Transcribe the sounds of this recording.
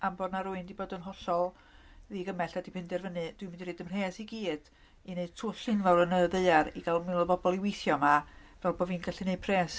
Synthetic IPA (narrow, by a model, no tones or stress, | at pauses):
ambɔːdnaɾuɨndiboːdənɦɔɬɔlˠ | ðiɡəmɛɬadipʰɪndɛrvənɨd̥wɪmɪndiɾreːdəmr̥eːsiɡiːd̥ | ined̥tʰuːɬɪnvawɾənəðeɨaɾiɡalˠmɪlˠəbɔbɔlˠiwejθjɔmavɛlˠboːvinɡaɬɨne̥pʰreːs